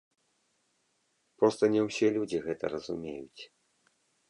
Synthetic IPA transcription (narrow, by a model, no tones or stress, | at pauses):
pɾɔst̪ɐnʲɛwsʲɛlʲud͡zʲiɣɛt̪ɐ̰rɐzumʲejut͡sʲ